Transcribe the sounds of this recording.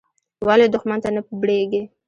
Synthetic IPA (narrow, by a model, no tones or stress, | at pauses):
waled̪ʊxmant̪anəbɽeɡe